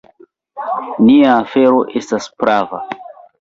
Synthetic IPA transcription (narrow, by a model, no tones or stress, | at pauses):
niaːfe̞ɾo̞ʔe̞staspɾʔava